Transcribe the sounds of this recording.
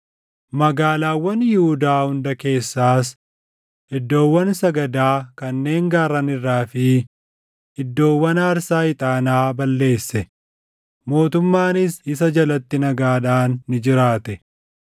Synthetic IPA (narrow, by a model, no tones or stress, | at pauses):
mɐɡaːlaːwːɐnjɪhʊd̪aːhʊnd̪ɐke̞ːsːaːs̬ | ɪd̪ːo̞ːwːɐnsɐɡɐd̪aːkɐnːe̞ːŋɡaːɾːɐnɪrːaːfɪ | ɪd̪ːo̞ːwːɐnaːɾsaːɪt̪ʼaːnaːbɐlːe̞ːsːɛ | mo̞ːt̪ʊmːaːnɪsɪsɐd͡ʒɐlɐt̪ːɪnɐɡaːᶑaːnːɪd͡ʒɪɾaːt̪ɛ